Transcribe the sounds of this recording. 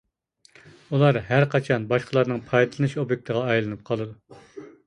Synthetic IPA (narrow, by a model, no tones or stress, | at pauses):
ulˠɑɾɦæɾqɑt͡ʃʰɑnbɑʃqʰəlˠɑɾnɨŋpʰɑjd̪ɨlˠɨnɨʃobjek̚ʲt̪ʰəʁɑːjlˠɨnɨp̚qʰɑlˠɨd̪u